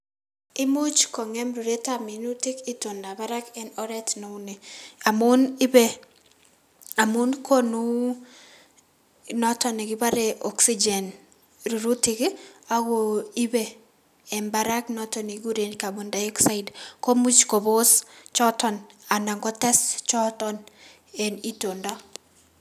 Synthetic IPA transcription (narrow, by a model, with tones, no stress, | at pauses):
ɪ˦mu˦t͡ʃkɔ˨ŋɛ˦mɾu˨ɾe˦ta˦mi˨nu˦tɪ˦kɪ˦to˨nːa˨ba˦ɾa˦kɛ˨nɔ˦ɾɛ˦tno˨uni˨a˨mʊ˦nɪ˦be˦ | a˨mu˦nkʰo˦nu˦ | nɔ˦tɔ˨ne˨ɡɪ˦ba˦ɾe˨ʔɔ˨ksi˦d͡ʒɛ˨n | ɾu˨ɾu˦tɪkɪ˦a˦ɡo˨i˦be˨ | ɛ˨nba˦ɾa˦knɔ˦tɔni˨ɡu˦ɾenka˨bo˨nda˨jɔ˦ksa˦jdko˦mu˦t͡ʃko˨bo˦st͡ʃɔ˦tɔ˨na˨na˨ŋɡɔ˦tɛ˦st͡ʃɔ˦tɔn | ɛ˨ni˦to˨nda˦